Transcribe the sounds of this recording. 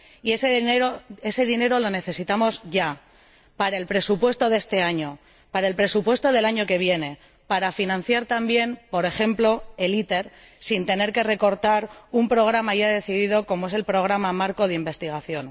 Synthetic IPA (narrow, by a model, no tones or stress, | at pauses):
ieseeɾoe̞se̞ðine̞ɾo̞lo̞ne̞θe̞sit̪amo̞zʝa | paɾae̞lpɾe̞supwe̞st̪o̞ðe̞st̪e̞aɲo̞ | paɾaelpɾe̞supwe̞st̪o̞ð̞e̞laɲo̞ke̞β̞je̞ne̞ | paɾafinãn̟θjaɾt̪ambje̞npo̞ɾe̞xe̞mplo̞e̞lit̪e̞ɾ | sint̪e̞ne̞ɾke̞re̞ko̞ɾt̪aɾumpɾo̞ɣ̞ɾamaʝaðe̞θiðiðo̞ko̞mo̞e̞s̬e̞lpɾo̞ɣ̞ɾamamaɾko̞ð̞eimbe̞st̪iɣ̞aθjo̞n